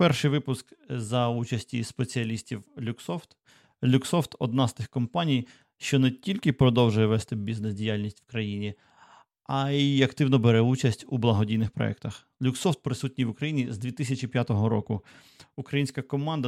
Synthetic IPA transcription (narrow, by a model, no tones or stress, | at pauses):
pɛrʃɪjʋɪpʊskzɐut͡ʃɐsʲtʲispe̞t͡sʲiɐlʲisʲtʲiwlʲuksɔft̪ | lʲuksɔft̪ɔ̰d̪̚nɑzt̪ɪxkɔmpanʲij | ʃt͡ʃɔnɛtʲilʲkɪpɾɔd̪ɔwʒʊjɛʋɛst̪ɪbʲiznesdʲijalʲnʲisʲtʲwkɾɐjinʲi | ɐiɐkt̪ɪwnɔbeɾɛut͡ʃɐsʲtʲublˠɐɦɔdʲijnɪxpɾɔ̰ɛ̰kt̪ɐx | lʲuksɔft̪̚pɾɪsutʲnʲijʋʊkɾɐjinʲizd̪ʲʋʲit̪ɪsʲɐt͡ʃipjat̪ɔɦɔɾɔkʊ | ukɾɐjinʲsʲkɐkɔmɑnd̪ɐ